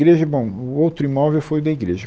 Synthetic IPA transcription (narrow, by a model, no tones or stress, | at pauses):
ɾeʒɐbõw̃ʊowt̪ɾʊimɔvewfojd̪ɐiɡɾeʒɐ